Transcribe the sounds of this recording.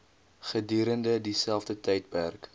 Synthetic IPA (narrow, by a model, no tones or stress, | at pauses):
χədyːɾəndədisælˠfdətɛjt̚pærk